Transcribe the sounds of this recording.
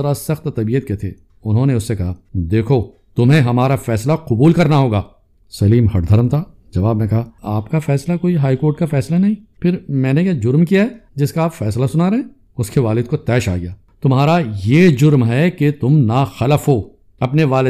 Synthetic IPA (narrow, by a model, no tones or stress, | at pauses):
ɐɾasɐxt̪t̪ɐbiːət̪̚ket̪ʰḛː | ʊnɦõneʊsːekɐɦad̪eːkʰo | t̪ʊmɦẽɦɐmaːɾafɛːslaqʊbuːlkɐɾnaɦoːɡaː | sɐliːmɦɐʈd̪ʱɐɾmt̪ʰa | d͡ʒɐʋaːbmɛ̃kɐɦaaːpkafɛːslakoːiɦaːikoːɾʈ̚kafɛːslanɐɦĩːpʰɪɾmɛ̃ːnejad͡ʒʊɾmkijaɦɛd͡ʒɪskaaːpfɛːslasʊnaɾeɦẽ | ʊskeʋaːlɪd̪̚kot̪ɛːʃa̰ːɡɪjaː | t̪ʊmɦaːɾajeːd͡ʒʊɾmɦɛket̪ʊmnaːxɐləfɦo | ɐpneʋaːlɪ